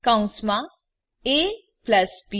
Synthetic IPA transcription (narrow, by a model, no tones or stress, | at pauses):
kãʊ̃smã | eː | plɐsb